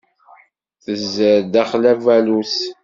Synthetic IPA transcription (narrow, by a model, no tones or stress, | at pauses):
θəzəɾd̪æχlævælus